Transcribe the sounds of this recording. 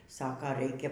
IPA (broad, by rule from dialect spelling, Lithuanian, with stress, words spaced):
ˈsɑːkɐ ˈrɐɪkʲɛ